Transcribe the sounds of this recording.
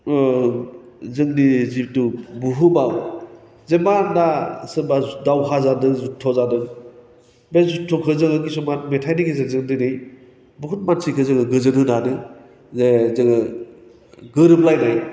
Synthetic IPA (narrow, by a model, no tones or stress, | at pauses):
zɯŋdizip̚tubuɦɯbaw | zemanasɯbadawɦazanɯŋzutʰːɔzanɯŋ | bezutʰːɔkʰɯzɯŋɯɡisɔmat̚metʰajniɡezezɯŋdinɯj | buɦut̚mansikʰɯzɯŋɯɡɯzɯnɦɯnanɯ | zezɯŋɯ | ɡɯɾɯblajnaj